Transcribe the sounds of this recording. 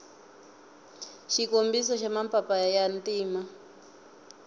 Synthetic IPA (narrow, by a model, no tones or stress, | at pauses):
ʃikombisɔʃamapʰʼapajantiːma